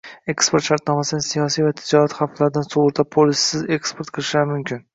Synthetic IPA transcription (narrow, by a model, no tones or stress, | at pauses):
e̞kspo̞ɾt̪ʃaɾt̪nɒmasɪɪnsijɒsijvat̪ʰɪd͡ʒɒɾat̪χaflaɾɪd̪ansoʁʊɾt̪ʰapʰolˠɪsːɪze̞kspʰo̞ɾt̪̚qʰɨlˠɪʃlaɾmʊmkʲʰɪn